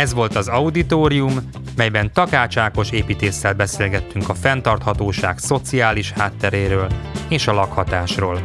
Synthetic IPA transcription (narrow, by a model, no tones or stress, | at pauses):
ɛzʋo̞lt̪ɒzɒud̪it̪oːɾiumː | ɛjbɛnt̪ɒkaːt͡ʃaːko̞ʃeːpiːt̪eːsːɛlbɛseːlɡɛt̪ːyŋkɒfɛnt̪ɒrt̪hɒt̪oːʃaːkso̞t̪siaːliʃhaːt̪ːɛɾeːɾøːleːʃɒlɒkhɒt̪aːʃroːl